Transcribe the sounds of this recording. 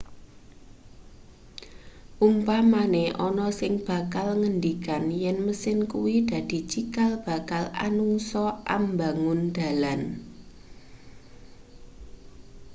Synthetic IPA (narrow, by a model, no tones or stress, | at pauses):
ʔumpamaneʔɔnɔsɪŋb̥a̤kalŋənd̪ikanjɛnməsɪnkuwid̪̥ä̤d̪̥i̤t͡ʃikalb̥a̤kalʔa̰nuŋsɔʔa̰mbä̤ŋʊnd̪̥a̤lan